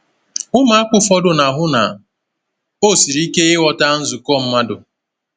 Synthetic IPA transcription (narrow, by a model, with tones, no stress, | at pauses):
ʊ˦ma˨˦a˦kʷʊ˦fɔ˦dʊ˨na˨ɦʊ˦na̰˨ | o˦˨si˨ɾi˦ke˦ɪ˦wɔ˨ta˦n̩˦zu˨kɔ˦˨m̩˦ma˦dʊ˨